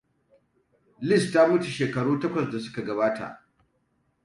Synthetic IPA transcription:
lɪ˦˨stːa˦mʊ˦tu˨ʃeː˨kɐ˨ɽuː˦tɐ˦kʷɐ˨s̬da˨sʊ̥˦ka˨ɡɐ˨baː˦ta̰˨ʔ

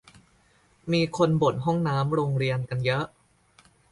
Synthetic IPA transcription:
miː˧kʰo˧nbo˨˩t̪̚ɦɔ˥˩ŋnaː˦˥mɾoː˧ŋɾi˧ənka˧njɤ˦˥ʔ

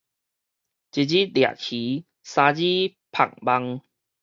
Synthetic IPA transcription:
t͡ɕi˧˩d͡ʑi˦lja̰˨kʰi˨˦ | sã˧d͡ʑi˦pʰa̰˨˩ŋba˧ŋ

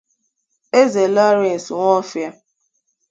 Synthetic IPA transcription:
e˦ze˨lɔ˦ɾe˨n̩˨sŋʷɔ˦fja˦

